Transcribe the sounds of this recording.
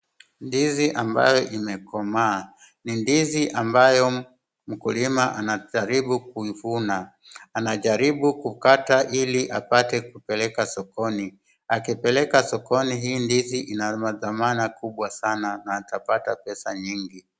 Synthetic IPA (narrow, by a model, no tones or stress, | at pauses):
ndiziʔamba̰jɔʔimɛkɔmaː | nindiziʔambajɔ | m̩kulimaʔanaʄaɾiɓuk̚uivunaː | naʄaɾiɓukukataʔiliʔapatɛkupɛlɛkasɔkɔni | akipɛlɛkasɔkɔniɦiːndiziʔinamaðamanakuɓwasananaːtapatapɛsaɲiŋɡi